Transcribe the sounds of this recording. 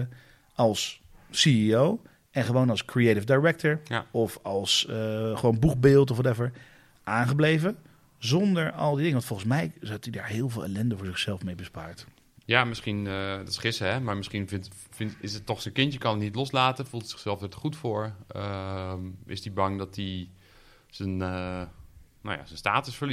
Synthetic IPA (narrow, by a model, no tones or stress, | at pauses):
ʔɑlˠsː | iiow | ɛnχəʋownɑlˠskrietɪvdajɹɛk̚təɹjɔfɑlˠsχəʋownbukbɪːlˠtɔfʋɑtɛfəɹ | ʔaːnχəblejvə | zɔndəɹɑ̰lˠdidɪŋəʋɑntfɔlˠənsmɛjzɑtidaːɹɦɪːlˠvɪːlˠa̰lɛndəvʊːɹzɪχsɛlˠfmejbəspaːɹt | jamɪsχindɔtɪ̥sχɪsəɦɛmaɹmɪsχinɪ | fɪnɪsətːɔχsənkɪntjəkɑnətnitlɔslaːtəfulˠtəsɪ̥xsɛlˠfɛtχutfʊːɹə | ɪ̰sdibɑŋdɔtdi | z̥ənə | no̰wja̰sənstaːtəsfəɹli